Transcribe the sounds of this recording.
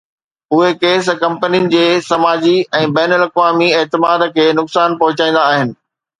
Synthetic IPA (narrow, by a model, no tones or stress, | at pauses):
ʊɦekeːs̬kɐ̃mpənijʊnɪ̆d͡ʑeːsɐmaːd͡ʑiɛ̃ːbɛːnəlɐkʋaːmieːt̪ɪmaːd̪kʰeːnʊksaːnpɐɦʊt͡ɕaːĩːn̆d̪aːɦɪnɪ̆